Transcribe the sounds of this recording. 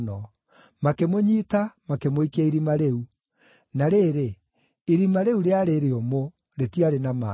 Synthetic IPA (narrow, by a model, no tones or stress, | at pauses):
nɔ | makemoɲiːtamakemoikaiɾimaɾeu | naɾeɾe | iɾimaɾeuɾeaɾeɾeomo | ɾetiaɾenama̰